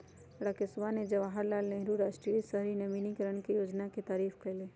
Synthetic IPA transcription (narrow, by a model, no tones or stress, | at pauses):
ɽakɪsʋaned͡ʒɐʋaɦəɾlaːlnẽɦɾuɾaːʃʈɾisəɦɾinəʋinikəɾəɳ̃kijoːd͡ʒnakit̪aːɾiːfkəɪleː